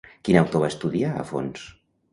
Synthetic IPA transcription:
kinawt̪oβaəst̪uðiaə̰fo̰ns

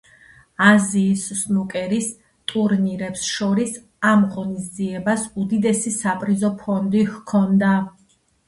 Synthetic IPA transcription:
aziːssnukʼɛɾis | t̪ʼuɾniɾɛpsʃɔɾis | amʁɔnisd̪ziɛbasud̪id̪ɛsisapʼɾizɔpʰɔnd̪ihkʰɔnd̪a

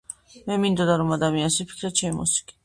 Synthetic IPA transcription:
mɛmind̪ɔd̪aɾɔmad̪amiansipʰi̥kʰɾat͡ʃʰɛmimṵsi̥kʼi̥

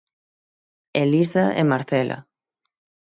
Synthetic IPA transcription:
elisaḛmaɾθelʔa̰

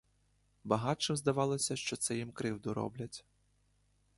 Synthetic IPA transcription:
bɐɦɑt͡ʃɪmzd̪ɐʋɑlˠɔsʲɐʃt͡ʃɔt̪sɛjimkɾɪwd̪ʊɾɔ̰blʲɐtʲ

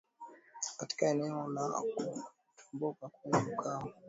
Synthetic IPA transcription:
kati̥kaɛnɛɔla̰ku | tʰɔ̥mbɔkakuɲɛukʰaɔ

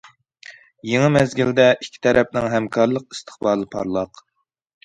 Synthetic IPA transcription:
jeŋɨmɛzɡʲild̪ɛikʲʰːi̥t̪ʰɛɾɛp̚nɪŋɦɛmkʰɑɾlˠəq̚ist̪ʰə̥χbɑːlˠɨpʰɑ̰ɾlˠɑq

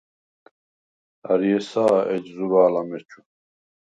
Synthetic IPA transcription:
a̰ɾiɛsaːɛd͡ʒzuɾaːlamɛt͡ʃʰʼu

